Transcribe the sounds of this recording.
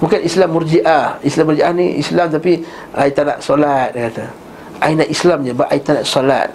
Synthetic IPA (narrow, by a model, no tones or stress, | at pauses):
mukanislamːuɾd͡ʒiʔahislamːurd͡ʒiʔahnḭʔḭslamt̪api | ait̪ːana̰ʔsɔlat̪̚kat̪a | ʔainaʔislamɲabaʔait̪ːanaʔsɔla̰t̪̚